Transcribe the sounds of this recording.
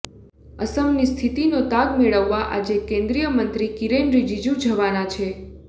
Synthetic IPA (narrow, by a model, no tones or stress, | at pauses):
əsəmnist̪ʰit̪inot̪aɡmeɭəʋːaʔa̰d͡ʒekẽnd̪ɾijəmənt̪ɾikiɾenɾid͡ʒid͡ʒũd͡ʒʱəʋanat͡ʃʰe